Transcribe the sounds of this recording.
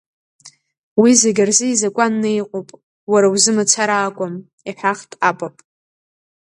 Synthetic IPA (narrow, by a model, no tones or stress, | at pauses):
wizeɡʲarzɨizakʷʼanːejqʷʼopʼ | waɾawzɨmat͡sʰaɾaːkʷʼam | iħaχtʼapʼapʼ